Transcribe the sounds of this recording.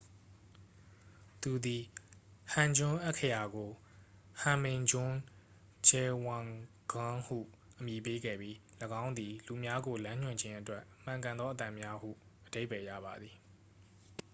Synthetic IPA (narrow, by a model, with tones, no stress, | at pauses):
t̪u˨d̪i˨hã˨ɲd͡ʑʊ̃˦ʔɛ˦ʔkʰːə˦˨ja˨ɡo˨ | hã˨mɪ̃˨d͡ʑʊ̃˦ | d͡ʑɛ˨wã˨ŋ | ɡ̥ʊ̃˦hṵ˦˨ | ʔəmji˨pe˦ɡɛ̰˦˨bji˦ləɡã˦ʊ̃nd̪i˨lu˨mja˦ɡo˨lã˦ɲ̥ʊ̃˦˨ɲd͡ʑɪ̃˦ʔətwɛ˦ʔm̥ã˨ŋkã˨nd̪ɔ˦ʔət̪ã˦˨mja˦hṵ˦˨ʔəde˦ɪbpɛ˨jä̰˦˨ba˨d̪ði˨